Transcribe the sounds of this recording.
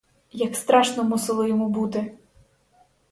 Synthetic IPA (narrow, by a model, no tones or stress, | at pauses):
jɐkst̪ɾɑʃnɔmusɪlˠɪjɔmubut̪ɪ